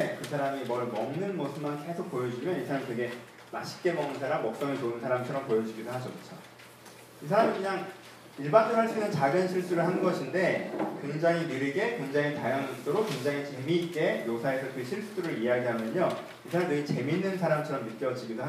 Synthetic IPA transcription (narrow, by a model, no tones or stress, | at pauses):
ekɯsʰaɾamimʌɭmʌŋnɯnmʌsʰɯmanke̞sʰok̚p͈ojʌd͡ʑimjʌnisʰaɾamikɯɡe̞ | maɕʰi̥k͈e̞mʌŋɯnsʰaɾamːʌk̚s͈ʌŋɯɭt͡ɕonɯnsʰaɾamt͡ɕʰʌɾʌmpojʌd͡ʑiɡidoɦad͡ʑokɯt͡ɕʰo | isʰaɾamikɯɲaŋ | iɭbandoɦaɭs͈uinɯnt͡ɕaɡɯnɕʰiɭs͈uɾɯɭhanɡʌɕʰinde̞kweŋd͡ʑaŋinɯɾɯɡe̞kweŋd͡ʑaŋitajaŋɯst͈oɾokweŋd͡ʑaŋit͡ɕe̞mik͈e̞josʰae̞sʰʌkɯɕʰiɭs͈uɾɯɾieaɡiɦamjʌɲo | isʰaɾamdɯŋit͡ɕe̞minːɯnsʰaɾamt͡ɕʰʌɾʌmːit̚k͈ejʌd͡ʑiɡidoɦa